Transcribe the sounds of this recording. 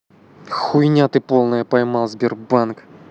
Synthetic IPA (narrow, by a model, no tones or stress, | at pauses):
xʊjnʲat̪ɨpolˠnəjəpɐjmɑlˠzʲbʲɪrbank